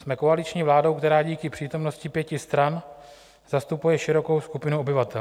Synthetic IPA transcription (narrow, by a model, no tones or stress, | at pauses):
smɛko̞alɪt͡ʃɲiːvlaːdo̞wkt̪ɛɾaːɟiːkɪpr̝̥iːt̪o̞mno̞scɪpjɛcɪst̪ɾan | zast̪upujɛʃɪɾo̞ko̞wskupɪnuo̞bɪvat̪ɛ